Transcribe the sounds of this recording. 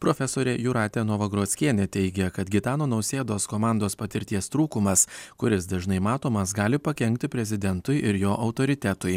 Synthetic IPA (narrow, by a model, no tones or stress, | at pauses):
pɾoːfʲɛsoːɾʲɛjuɾɑːt̪ʲɛnoːʋɐɡɾoːsʲkʲiɛnʲɛt̪ʲɛɪɡʲɛkɐt̪ɡʲɪt̪ɑːnoːnɒʊsʲeːd̪oːskoːmɑˑnd̪oːspɐt̪ʲɪɾʲt̪ʲiɛst̪ɾuːkʊmɐskʊɾʲɪsd̪ɐʒnɐɪmɑːt̪oːmɐsɡɑːlʲɪpɐkʲɛŋʲkt̪ʲɪpʲɾʲɛzʲɪd̪ʲɛnt̪ʊɪʔɪɾjoːʔɐʊt̪oːɾʲɪt̪ʲæt̪ʊj